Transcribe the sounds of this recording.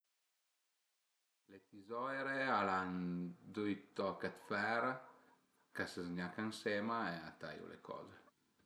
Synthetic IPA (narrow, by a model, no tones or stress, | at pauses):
let̪izɔjɾealand̪ujt̪ɔkat̪fɛɾa | kasezɲakaŋsemaeat̪a̰jṵlḛkʰɔ̰ːze